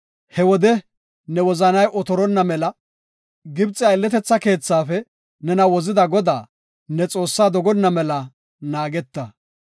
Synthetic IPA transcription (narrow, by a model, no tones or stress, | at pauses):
hɛwɔd̪ɛ | nɛwɔzɐnɐjʔɔt̪ɔɾɔnːɐmɛlɐ | ɡɪbt͡sʼːɪɐɪlːɛt̪ɛt͡sːɐke̞ːt͡sːaːfɛ | nɛnɐwɔzɪd̪ɐɡɔd̪a̰ː | nɛt͡sʼo̞ːsːaːd̪ɔɡɔnːɐmɛlɐ | naːɡɛt̪ːɐ